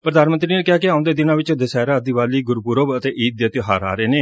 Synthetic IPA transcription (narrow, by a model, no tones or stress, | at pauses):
pɾəd̪aːnmə̃nt̪ɾiːnekɪaːkɪaːʊ̃nd̪eːd̪ɪnãːʋɪt͡ʃd̪əsɛːɾaːəd̪iʋaːliːɡʊɾpʊɾobət̪eːʔiːt̪̚d̪ət̪ɦaːɾa̰ːɾeːneː